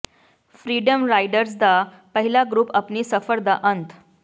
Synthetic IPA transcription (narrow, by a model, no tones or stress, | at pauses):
fɾiɖəmɾajɖəɾsd̪a | pəɦilaɡɾuːpapniːsəfəɾd̪aʔənt̪ʰ